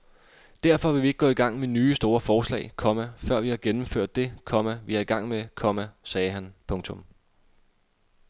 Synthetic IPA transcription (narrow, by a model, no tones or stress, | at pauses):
d̥æɐfɒ̽ʋe̝ʋie̝ɡ̥̚ɔ̽ːiɡ̥ɑ̈ŋ̰menyːsd̥o̝ːɐfɒːslɛ̰ɪkʰɒ̽mæfɶɐ̰ʋihɑ̈ɡ̥enm̩fø̰ɐ̰d̥ːe̝kʰɒ̽mæʋiɑ̈iɡ̥ɑ̈ŋ̰mekʰɒ̽mæsɛːɦænpʰɔ̽ŋt͡sʰɔ̽m